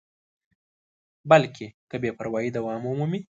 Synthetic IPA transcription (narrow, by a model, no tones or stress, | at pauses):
balkʰekəbepaɾwɑjid̪awɑmumumi